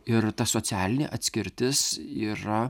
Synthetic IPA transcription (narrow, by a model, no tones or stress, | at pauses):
ɪɾt̪ɐsoːsʲæːlʲɪnʲḛːʔɐt̪ʲsʲkʲɪɾʲt̪ʲɪsiːɾɐ